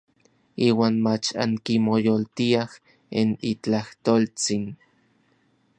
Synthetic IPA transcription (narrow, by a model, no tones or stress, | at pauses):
iːwaːnmat͡ʃa̰ŋkimojolt̪iah | enit͡ɬaht̪oːlt͡sin